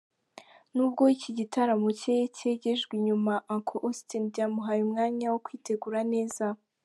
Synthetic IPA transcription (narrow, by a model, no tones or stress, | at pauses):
nuːb̚ɡo̞iciɟitaɾamocejece̞ːɟe̞ʒɡwiɲumaʔaŋkʰoʔostinbɟaːmuɦajumŋaːɲawokwiːte̞ɡuɾane̞ːza